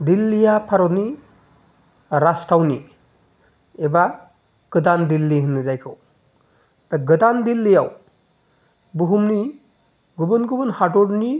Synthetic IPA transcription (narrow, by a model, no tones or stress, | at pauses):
d̪ilːijapʰaɾɔni | ɾastawni | eba | ɡ̥ɯd̪and̪ilːiɦɯnɯzajkʰɔw | taɡɯd̪and̪ilːijaw | buɦumni | ɡubɯnɡubɯnhadɔɽni